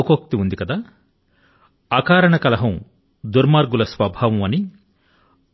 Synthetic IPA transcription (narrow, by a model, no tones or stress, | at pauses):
kok̚t̪iund̪ikɐd̪aː | aːkaːɾɐɳɐkɐlɐɦɐm | d̪uɾmaːɾɡulɐsʋɐbʱaːʋɐmɐni